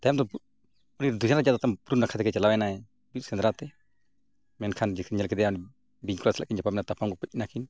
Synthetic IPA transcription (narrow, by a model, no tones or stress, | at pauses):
t̪ajamd̪ɔ | ɔniɾd̪usanɾad͡ʒad̪at̪ampɾunakʰat̪ɛkɛt͡ʃalawɛnaɛ | bitsɛnd̪ɾat̪ɛ | mɛnkʰand͡ʒikʰɲɛlkɛd̪ɛjani | biɲklasla̰ʔkiɲd͡ʒapamnat̪apʰaŋɡɔpuc̚ˀnakin